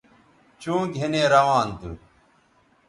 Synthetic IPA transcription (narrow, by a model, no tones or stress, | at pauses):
t͡ɕõːɡʱenẽːɾɐʋãːnt̪ṵ